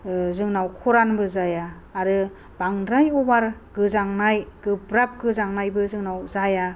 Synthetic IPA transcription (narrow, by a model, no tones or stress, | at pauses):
zɯŋnawkʰɔɾanbɯzajaː | ɾɯ | b̥aŋɾajɔbaɾɡ̥ɯzaŋnajɡɯbɾap̚ɡɯzaŋnajbɯzɯŋnawzaja